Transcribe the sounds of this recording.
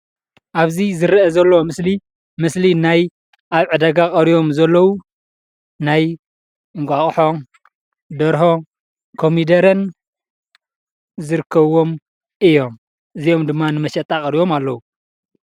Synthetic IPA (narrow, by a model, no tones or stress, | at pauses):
ʔaβzizɨɾʔɐzɐlːomɨsli | mɨslinaj | ʔaβʕɨd̪ɐɡakʼɐɾijo̞mzɐlːɐwu | naj | ɨŋkʷʼaχʼħo̞ | d̪ɐɾho̞ | kʰo̞mid̪ɐɾɐn | zɨɾɨkʰːɐβo̞m | ʔɨjo̞m | ʔɨzijo̞md̪ɨmːanɨmɐʃɐt̪ʼakʼɐɾijo̞malːɐwu